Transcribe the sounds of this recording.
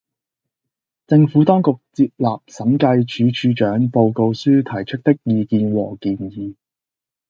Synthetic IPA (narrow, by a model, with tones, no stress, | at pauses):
t͡sɪ˧ŋfuː˨˥t̪ɔː˥ŋkʊ˨k̚t͡siː˧p̚laː˨p̚sɐ˨˥mkɐ˧jt͡ʃyː˨˥t͡ʃʰyː˨˥t͡ʃœː˨˥ŋpo˧wko˧wsyː˥t̪ʰɐ˨˩jt͡ʃʰɵ˥k̚t̪ɪ˥k̚jiː˧kiː˧nwɔː˨˩kiː˨njiː˨˧